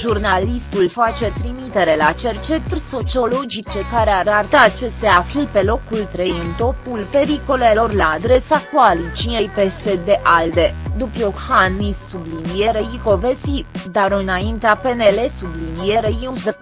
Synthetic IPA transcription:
ʒurnalist̪ulfat͡ʃe̞t̪ɾimit̪e̞ɾe̞lat͡ʃe̞rt͡ʃe̞t̪urʲso̞t͡ʃio̞lo̞d͡ʒit͡ʃe̞kaɾeaɾart̪at͡ʃe̞seaflipe̞lo̞kult̪ɾe̞jɨnt̪o̞pulpe̞ɾiko̞le̞lo̞rlaːd̪ɾe̞sakoalit͡ʃiejpe̞se̞d̪e̞ʔald̪e̞d̪upjohanːisːublinije̞ɾejiko̞vesid̪aɾɨnaint̪eape̞ne̞le̞sublinije̞ɾejiuz

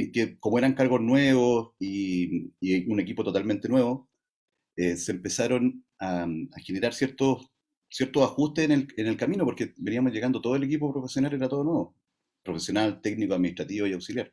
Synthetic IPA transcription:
kekomoe̞ɾaŋkaɾɣo̞znweβosi | iune̞k̬ipot̪o̞t̪alment̪enwe̞βo | eseːmpe̞saɾo̞n | aaxene̞ɾaɾsjeɾt̪os | sjeɾt̪osaxust̪enelenelkaminopoɾkebeniamozʝe̞ɣand̪ot̪o̞ðoele̞k̬ipopɾofesjonaleɾat̪oðonweβo | pɾofesjo̞nalt̪eɡnikoaðminiht̪ɾat̪iβojawksiljaɾ

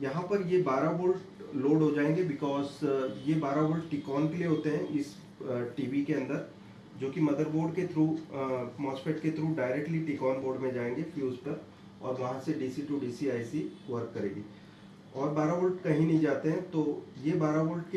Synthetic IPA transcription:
jɐɦãpɐɾjebaːɾaboːlʈloːɖɦod͡ʒaːẽːŋɡebɪkɔːzjebaːɾaboːlʈʈɪkɔːnkelieɦoːt̪eɦɛ̃ʔɪs | ʈiːʋikeɐ̃nd̪əɾ | d͡ʒoːkimɐd̪əɾboːɾɖket̪ʰɾuːmɔːspeʈ̚ket̪ʰɾuːɖaːɪɾek̚ʈliʈikɔːnboːɖmẽd͡ʒaːẽːŋɡefjuːzpɐɾ | ɔːɾʋɐɦãseɖiːsiʈuɖiːsiaːɪsiʋɐɾkːɐɾḛ̃ːɡiː | ɔːɾbaːɾaboːlʈkɐɦĩnɐɦĩd͡ʒaːt̪eɦɛ̃t̪oːjebaːɾaboːlʈk

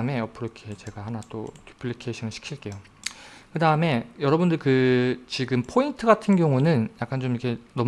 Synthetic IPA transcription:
me̞ʌpʰɯɾʌkʰet͡ɕe̞ɡahanat͈o̰tupʰɯɭːikʰeɕʰʌnɯɭɕʰi̥kʰiɭk͈e̞jo | kɯdaɯme̞jʌɾʌbundɯɭkɯt͡ɕiɡɯmpʰointʰɯɡatʰɯnɡjʌŋunɯnjak͈ant͡ɕomikʰe̞nʌm

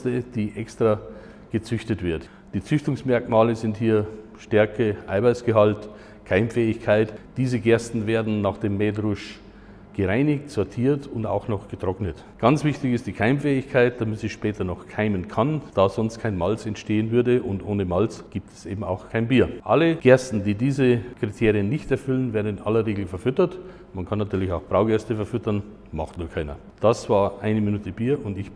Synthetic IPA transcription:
stəd̥iːʔɛkstʁ̥a | ɡ̥ət͡sʏçtətv̥ɪɐt | d̥iːt͡sʏçtʊŋsmɛɐkmaːləzɪnthiːɐʃtɛɐkəʔaɪvaɪsɡ̥əɦalt | kʰaɪmfɛːɪçkʰaɪtd̥iːzəɡɛɐstn̩veːɐdn̩naːχd̥eːmːɛːdʁʊʃ | ɡ̥əʁaɪnɪktz̥ɔɐtʰiːɐtʊnda̰ʊxnɔχɡ̥ətʁ̥ɔknət | ɡ̥ant͡sv̥ɪçtɪçɪstd̥iːkʰaɪmfɛːɪçkʰaɪt̚d̥amɪtsɪçʃpɛːtɐnɔχkʰaɪmənkʰand̥aːzɔnst̚kʰaɪnmalt͡sɛntʃteːənvʏɐdəʔʊndʔoːnəmalt͡sɡ̥iːp̚tʰɛ̥sʔḛːbm̩a̰ʊxkʰaɪnbiːɐʔaləɡ̥ɛɐstn̩diːdiːzəkʁ̥itʰeːʁiənːɪçtɛɐfʏlənvɛːɐdn̩ɪnʔalɐʁeːɡl̩fɛɐfʏtɐt | mankʰanːatʰyːɐlɪçaʊxb̥ʁaʊɡɛɐstəfɛɐfʏtɐn | ma̰χtnuːlkʰaɪnɐ̰ | d̥asv̥aːɐʔaɪnəminuːtəbiːɐʔʊndɪç

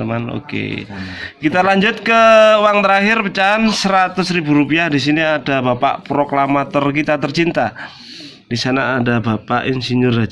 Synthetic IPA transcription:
əmano̰kḛ | kit̪alaɲd͡ʒʊt̪̚kəwaŋt̪əɾaɦɪrpət͡ʃaansəɾat̪ʊsɾibuɾupiahdis̬iniadabapa̰ʔpɾoklamat̪ɔrkit̪at̪ərt͡ʃint̪a | d̥isanaːdabapa̰ʔɪnsiɲʊra

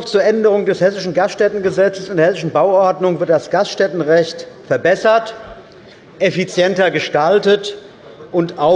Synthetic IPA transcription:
ft͡suːɐʔɛndəʁ̞ʊŋdɛshɛsɪʃn̩ɡastʃtɛtn̩ɡəzɛt͡səsɪndeɐhɛsɪʃn̩baʊʔɔɐdnʊŋvɪɐt̚d̥asɡ̥astʃtɛtn̩ʁɛçtfɛɐbɛsɐt | ʔefit͡sjɛntɐɡəʃtaltət | ʔʊntaʊ

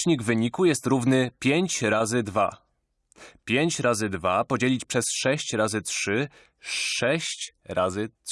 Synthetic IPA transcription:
ɲiɡvɘɲikujɛst̪ɾuvnɘpʲjeɲt͡ɕɾazɘd̪va̰ | pʲjeɲt͡ɕɾazɘd̪vapɔd͡ʑelʲit͡ɕpʂɛsʂɛɕt͡ɕɾazɘtʂɘ | ʂɛɕt͡ɕɾazɘ

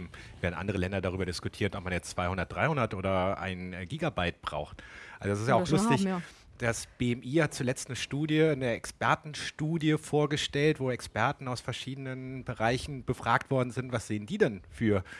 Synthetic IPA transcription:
m̩v̥eːɐdn̩ʔa̰ndəʁəlɛndɐdaʁ̞yːbɐdɪskutʰiːɐtʔɔp̚manjɛt͡st͡sv̥aɪhʊndɐt̚d̥ʁaɪhʊndɐtʔoːɾɐʔa̰ɪnɡiːɡabaɪt̚b̥ʁa̰ʊxtʔalzoɛs̬ɪstjaʊxlʊstɪç | d̥asb̥eːɛmʔiːhat̚t͡sulɛt͡stnəʃtuːdjənəʔɛkspɛɐtn̩ʃtuːdjəfoːɐɡəʃtɛltv̥oːɛkspɛɐtn̩aʊsfɛɐʃiːdənənbəʁaɪçn̩bəfʁ̥aːktv̥ɔɐdn̩zɪntv̥asz̥eːəndiːdɛnfyːɐ

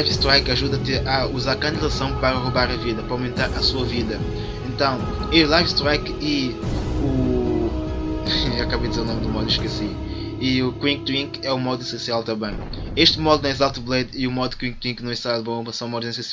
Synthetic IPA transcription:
ajfst̪ɾajkɐʒuðɐt̪eɾɐuzaɾkɐ̃nd̪ilˠɐsɐ̃w̃pɐɾɐʁuβaɾɐviðɐpɾɐawmẽnt̪aɾʔɐsuɐviðɐ | ẽnt̪ɐ̃w̃ | elˠajfst̪ɾajk | i | u | ewɐkaβd̪izeɾunomd̪umɔd̪uiʃkɛsi | iukwĩŋɡ̚t̪wĩŋkɛumɔd̪uisẽsialˠt̪ɐ̃mbɐ̃j̃ | eʃt̪mɔd̪unɐ̃zalˠt̪ublˠɛd̪iumɔd̪ukwĩɡ̚t̪wĩŋknɐ̃w̃iʃt̪azbõmɐsɐ̃w̃mɔd̪ũsẽsia

